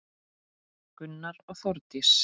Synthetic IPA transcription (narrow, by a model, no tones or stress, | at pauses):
kʏnːaɾɔɣθɔɾt̪ɪs